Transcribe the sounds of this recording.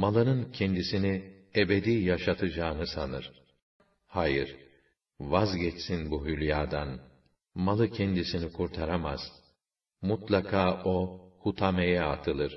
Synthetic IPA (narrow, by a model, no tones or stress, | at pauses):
malˠɯnɯncʰɛnd̪isini | ebed̪iːjaʃat̪ʰɯd͡ʒaːnɯsanɯɾ̥ | hajiɾ | vazɟɛt͡ʃsinbuɦylʲjaːd̪an | malˠɯcʰɛnd̪isinikʰuɾt̪ʰaɾama̰z̥ | mut̪lˠakʰaːʔohut̪ʰamejɛat̪ʰɯlˠɯɾ̥